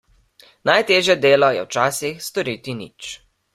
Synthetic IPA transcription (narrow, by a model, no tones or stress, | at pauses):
najt̪eːʒjɛd̪eːlɔjɛ̰wt͡ʃaːsixst̪ɔɾiːt̪inḭt͡ʃ